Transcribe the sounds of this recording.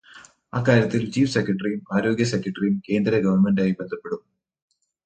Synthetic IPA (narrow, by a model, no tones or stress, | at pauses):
aːkːaːɾjɐt̪ːilt͡ɕiːfsekʲːɾɐʈːɐrijumaːɾo̞ːɡjɐsekːjɐʈːɐrijumke̞ːnd̪ɾɐɡɐʋɐrnme̞nɖaːjibe̞nd̪ʱɐpːe̞ɽum